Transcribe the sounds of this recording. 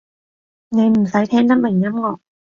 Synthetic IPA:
ne˨˧jm̩˨˩sɐ˨˥jt̪ʰɛː˥ŋt̪ɐ˥p̚mɪ˨˩ŋjɐ˨˥mŋɔː˨˧˩

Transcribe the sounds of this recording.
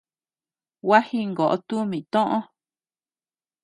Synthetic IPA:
wa˦hi˦ŋɡo˨ʔo̰˦˧t̪u˦mĩ˨t̪õ˦ʔõ˦

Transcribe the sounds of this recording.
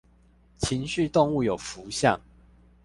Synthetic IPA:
t͡ɕʰi˨˦ŋɕy˥˨t̪ʊ˥˧ŋu˥˨jo˨˩ʊfu˨˦ɕjɑ̰˥˨ŋ

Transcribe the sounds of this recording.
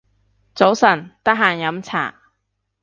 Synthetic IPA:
t͡so˨˥wsɐ˨˩nt̪ɐ˥k̚ɦaː˨˩njɐ˨˥mt͡sʰa̰ː˨˩

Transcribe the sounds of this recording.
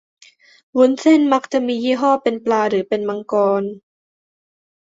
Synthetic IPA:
wu˧˥nse˥˩˨nma˦˥k̚t͡ɕa˨˩ʔmiː˧jiː˥˩ɦɔː˥˩pe˧nplaː˧ɾɯː˩˦pe˧nma˧ŋkɔː˧n

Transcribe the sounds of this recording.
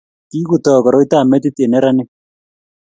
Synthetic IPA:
tiː˦ku˨tɔː˨kɔ˨ɾɔ˦i˦ta˦˨mɛ˦ti˦te˨nɛ˦ɾa˦ne˦

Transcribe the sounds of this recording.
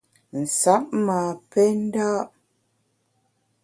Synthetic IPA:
n̩˨sa˨˦p̚maː˨pɛ˦n̩˦daː˦ʔ

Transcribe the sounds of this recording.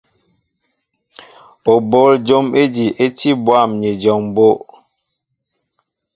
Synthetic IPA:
o˨bo˨˦ld͡ʒo˦me˦d͡ʒi˨ʔe˦ti˦bwa˦˨mɲe˨d͡ʒɔ˨ŋbo˦ʔ

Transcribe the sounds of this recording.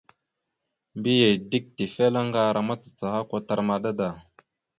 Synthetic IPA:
mbi˦je˨di˦k̚ti˨fe˦la˦ŋɡa˦ɾʔa˨ma˦t͡sə̥˨t͡sa˨ha˦kʷa˦ta˨ɾma˨da˦da˨

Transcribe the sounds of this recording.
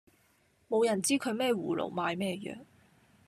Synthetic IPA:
mo˨˧wjɐ˨˩nt͡siː˥kʰɵ˨˧ɥmɛː˥˩wuː˨˩lo̰˨˩wmaː˨˧jmɛː˥jœ̰ː˨ŋ

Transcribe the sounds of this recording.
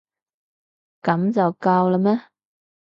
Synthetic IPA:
kɐ˨˥mt͡sɐ˨wkaː˧wla˧mɛ˥

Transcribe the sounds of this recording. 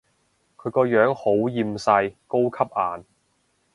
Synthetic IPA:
kʰɵ˨˧ɥkɔː˧jœː˨˥ŋho˨˥wjiː˧msɐ˧jko˥wkʰɐ˥p̚ʔaː˨n

